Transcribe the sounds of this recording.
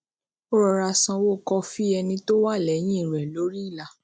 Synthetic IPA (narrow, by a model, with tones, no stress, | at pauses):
o˦ɾɔ˨˧ɾa˧sã˧wo˦˨kɔ˧fi˦ɛ˧nĩ˧to˦wa˦˨lɛ˨˦j̃ĩ˦˨ɾɛ˨lo˨˦ɾi˦i˦˨la˨